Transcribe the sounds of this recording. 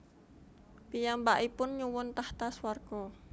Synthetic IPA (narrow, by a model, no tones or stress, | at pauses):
pijambaʔipʊnɲuwʊnt̪aht̪aswarɡ̥ɔ